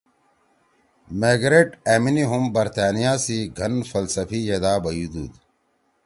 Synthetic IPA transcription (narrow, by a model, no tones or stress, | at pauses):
meːɡɾeːʈeːminiɦumbɐɾt̪aːnijaːsiɡʱɐnfɐlsɐfijed̪aːbɐjud̪uːd̪